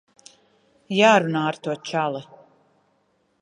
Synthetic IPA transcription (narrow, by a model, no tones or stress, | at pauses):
jaːɾunaːaɾt̪uɔt͡ʃalɛ